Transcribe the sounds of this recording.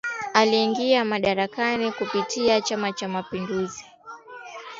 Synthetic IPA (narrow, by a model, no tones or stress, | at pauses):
aliːŋɡiamaɗaɾakanikupitiat͡ʃamat͡ʃamapinduzi